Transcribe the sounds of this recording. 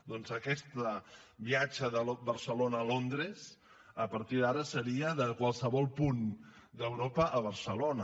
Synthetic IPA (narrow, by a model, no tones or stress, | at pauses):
d̪ɔnzəkɛst̪əβiat͡ʃəðəlobəɾsəlonəːlond̪ɾez | əpəɾt̪iðaɾəsəɾiəðəkwalˠsəβɔlˠpund̪əwɾopəʔəβ̞əɾsəlonə